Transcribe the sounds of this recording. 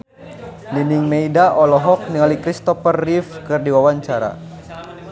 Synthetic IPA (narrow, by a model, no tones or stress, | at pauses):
niniŋmeidaʔɔlɔɦɔk̚niŋalikɾist̪ɔfərːifkɨrdiwawaɲt͡ʃaɾa̰